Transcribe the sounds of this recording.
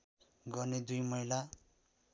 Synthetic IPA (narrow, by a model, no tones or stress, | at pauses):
ɡʌrned̪ujmʌjla